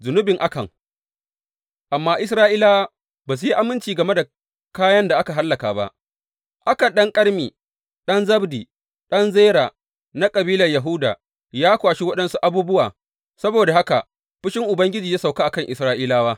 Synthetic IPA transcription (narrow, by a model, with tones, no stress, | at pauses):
zʊ˨nʊ˦bɪ˨ŋʔa˦kɐ˨ŋ | ʔa˨mːaː˦ʔɪ˦s̬ɾaː˦ʔiː˦laː˦wa˦ | baː˨s̬u˦ji˦ʔa˨mɪ˦nt͡ʃiː˨ɡɐ˨me˦da˨ | kaː˦jɐ˦nda˨ʔa˦ka˨ɦa˦lːɐ˨ka̰ː˨ba̰˦ʔ | ʔa˦kɐ˨ɗɐ˦ŋkʼɐ˦ɽmiː˨ | ɗɐ˦nzɐ˦bdiː˨ | ɗɐ˦nzeː˦ɾaː˨ | na˦kʼɐ˨biː˦lɐ˨rjɐ˨ɦu˦da̰ː˨ | jaː˦kʷaː˨ʃi˦wɐ˦ɗɐ˦nsu˦ʔa˦buː˦bʊ˦waː˨ | sɐ˦boː˨da˨ɦa˦ka̰˨ | ɸɪ˦ʃɪ˦ŋʔʊ˨bɐ˦ŋɡʲɪ˦d͡ʒiː˨ja˦sa˨wkaː˦ʔa˨kɐ˦ŋʔɪ˨sɾaː˦ʔiː˦laː˦waː˦